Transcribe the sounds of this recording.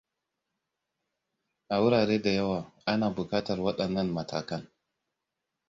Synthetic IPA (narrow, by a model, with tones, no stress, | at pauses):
ʔa˨wʊ˦ɾaː˨ɾeː˦da˨jɐ˦waː˨ʔa˦naː˨bʊ˨kaː˦tɐ˨rwɐ˦ɗɐ˨nːɐ˦˨nmɐ˨tʰa̰ː˨kɐ˦n